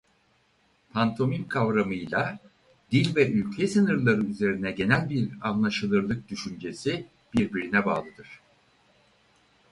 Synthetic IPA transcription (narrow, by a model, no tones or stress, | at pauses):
pʰant̪ʰo̞mimkʰavɾamɯjlˠa | d̪ilʲvɛʔylʲcʰɛsɯnɯɾlˠaɾɯyze̞ɾinɛɟe̞nælʲbiɾanlˠaʃɯlˠɯɾlˠɯk̚d̪yʃynd͡ʒe̞si | b̥iɾbiɾinɛba̰ːlˠɯd̪ɯɾ̥